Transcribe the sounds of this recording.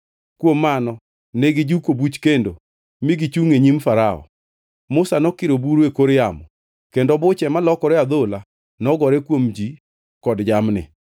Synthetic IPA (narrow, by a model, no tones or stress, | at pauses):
kwomːanɔ | neɡɪd͡ʒukobut͡ʃkendo | mɪɡɪt͡ʃuŋeɲimfaɾaɔ̰ | mʊsanɔkɪɾobuɾekoɾjamɔ | kendɔbʊt͡ʃɛmalɔkɔɾɛad̪ola | nɔɡɔɾɛkwomd͡ʒi | kɔdd͡ʒamnɪ̰